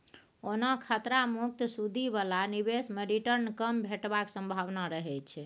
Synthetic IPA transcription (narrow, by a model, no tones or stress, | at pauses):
onakʰat̪ɾamuk̚t̪sud̪ʱiβalaniβesmeɾiʈəɾnkəmbʱeʈbaksə̃mbʱaʋnaɾəɦɛt͡ʃʰɛ